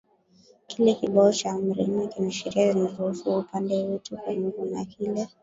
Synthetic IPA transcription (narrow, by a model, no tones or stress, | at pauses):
kilɛkiɓaɔt͡ʃam̩ɾḭmikinaʃiɾiazinaɾuhusuːpandɛwɛtʰukwaɲuɡunakʰilɛ